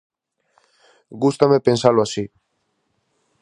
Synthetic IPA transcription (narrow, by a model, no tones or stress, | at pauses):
ɡust̪amepensaloasi